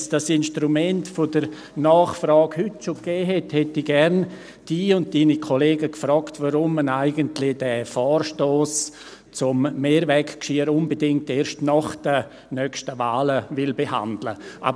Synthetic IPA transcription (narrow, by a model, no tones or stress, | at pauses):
sd̥asɪnʃtɾumɛntfodəɾ | naːχfɾɑːkhʏtʃokɛːɦɛthɛtːiɡɛɾn | d̥iːʊnd̚d̥iːnikʰoleːɡəkfɾɔːktʋaɾʊmːənaɪɡəntlɪd̥ɛfɔːrʃtoːs | t͡sʊmːeːɾvɛkkʃiːəɾʊnbedɪŋk̚teːɾʃtnɔχd̥ə | nœkʃtəvaːləvɪlbeha̰ndlə̰ʔa̰ːb